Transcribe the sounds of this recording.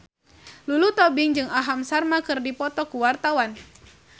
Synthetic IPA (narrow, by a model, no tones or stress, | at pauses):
lulut̪ɔbɪŋd͡ʒɨŋaɦamsarmakɨrdipɔt̪ɔkuwart̪awan